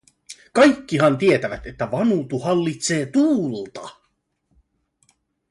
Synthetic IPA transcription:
kɑjkːiɦɑnt̪ie̞t̪æʋæt̪e̞t̪ːæʋɑnuːt̪uhɑlːit̪se̞ːt̪uːlt̪ɑ

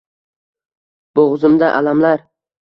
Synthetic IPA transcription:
b̥oʁzɪmd̪aʔalamlaɾ

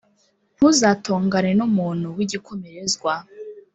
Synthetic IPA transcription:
n̥huzaːtoːŋɡanenumuːn̥huwiɟikʰomeɾezɡwa

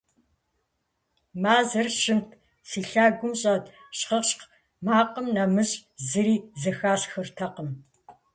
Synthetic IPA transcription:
maːzɐrɕɪmtʰ | fiːɬaːɡʷʊmɕʼɐtɕχɐqɕq | maːqʼəmnɐmɨɕʼzɨɾiːzɐxaːɕxɨrtʰɐqəm

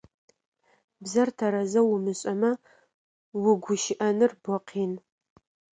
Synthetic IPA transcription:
bzɐrtʰɐɾɐzɐwʊmɨɕʼɐmɐ | wʊɡʷʊʃɪʔɐnɨrbʷɔqʰiːn

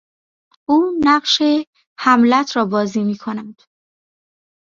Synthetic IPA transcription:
ʔuːnæɢʃe̞ | hæmlæt̪ʰɾɒːbɒːziːmiːkʰonænd̪̥

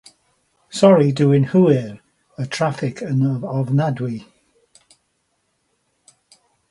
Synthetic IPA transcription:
sɔɹiduɪ̃ŋhuɪɹ | ətʰɹ̥afɪkʰənəvəvnadwi

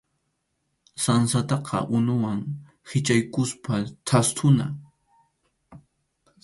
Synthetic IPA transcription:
sansat̪ɑqʰɑ̰ʔʊnʊwaŋ | hɪt͡ʃajkʊspat̪ʰast̪ʰʊna̰

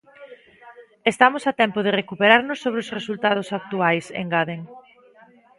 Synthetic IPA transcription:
est̪amosat̪ɛmpoð̞erekupeɾaɾnosːoβ̞ɾeosresult̪að̞osak̚t̪uajsḛŋɡaðeŋ

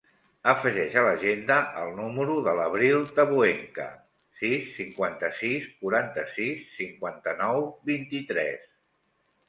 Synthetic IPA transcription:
əfəʒɛʃələʒend̪əəlˠnuməɾuðələβɾilˠt̪əβueŋkə̰ | sisːiŋkwant̪əsiskuɾant̪əsisːiŋkwant̪ənɔwbint̪it̪ɾɛ̰s

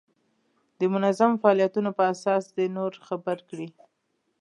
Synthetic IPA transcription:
d̪̥əmʊnazamfaɑlijat̪unopəasɑsd̪enoɾxabəɾkɽi

